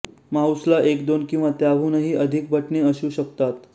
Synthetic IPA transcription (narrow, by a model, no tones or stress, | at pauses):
mauslaʔekd̪onkĩw̃ʋat̪jabʱuːnəɦiːʔəd̪ʱik̚bʱəʈneəɕũːɕəkt̪at̪